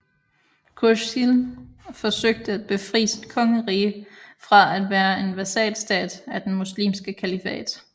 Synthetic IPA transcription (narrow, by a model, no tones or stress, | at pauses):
kʰoʃilfɒ̽søɡ̥̚d̥əæd̥̚b̥e̝fʁḭːsid̥kʰɒ̽ŋəʁiːəfʁɑ̈æd̥ʋæːɐe̝nʋæsɛ̰ːd̥sd̥ɛ̰ːd̥æd̥enmuslḭːmsɡ̥əkʰælifɛ̰ːd̥